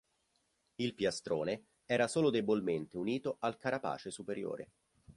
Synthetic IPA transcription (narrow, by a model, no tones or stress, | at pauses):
ilpjast̪ɾoːne | ɛːɾasoːlod̪ebolment̪euniːt̪oʔalkaɾapa̰ːt͡ʃesupeɾjo̰ːɾḛ